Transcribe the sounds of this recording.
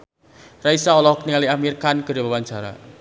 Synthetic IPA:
raisaɔlɔhkəniŋaliamirkanɡəɾebawaɲt͡ʃaɾa̰

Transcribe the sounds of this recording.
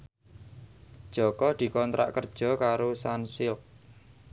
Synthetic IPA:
d̥ʒ̥ɔ̤kɔd̪̥i̤kɔnt̪ɾa̰ʔkərd̥ʒ̥ɔ̤kaɾosansɪl

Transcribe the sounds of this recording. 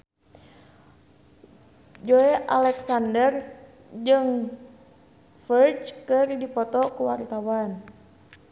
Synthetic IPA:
d͡ʒoeʔalɛksandər | d͡ʒɨŋ | fərt͡ʃkɨrdipɔt̪ɔkuwart̪awan

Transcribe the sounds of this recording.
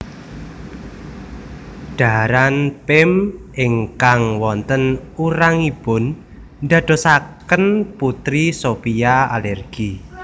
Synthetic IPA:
ɖ̥a̤ɾanpɪmɪŋkaŋwɔnt̪ənuɾaŋib̥ʊ̤n | nd̪ä̤ɖ̥ɔ̤sakənput̪ɾisopiaa̰lɛrɡ̥i

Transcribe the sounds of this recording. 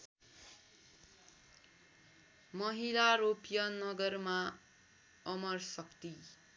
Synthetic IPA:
mʌɦilaɾopjʌnʌɡʌrma | ʌmʌrsʌkt̪i

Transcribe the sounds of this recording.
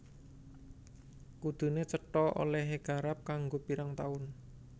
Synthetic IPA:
kud̪̥ṳnet͡ʃəʈɔo̰lɛɦeɡ̥a̤ɾap̚kaŋɡopiɾaŋt̪aʊn

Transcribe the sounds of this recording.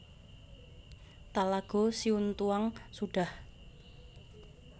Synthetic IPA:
t̪alaɡ̥o̤siunt̪uaŋsuɖ̥a̤h

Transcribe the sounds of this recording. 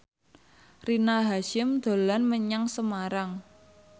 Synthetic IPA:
rinaɦaʃɪmd̪̥o̤lanməɲaŋsəmaɾaŋ

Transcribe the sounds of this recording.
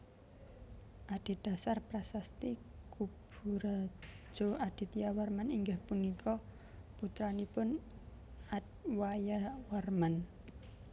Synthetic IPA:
ʔad̪̥i̤d̪̥a̤sarpɾasast̪ikub̥uɾḁʒ̥o̤ad̪̥i̤t̪ijawarmaniŋɡahpunikʰɔ | put̪ɾanipʊn | at̪wajawarman

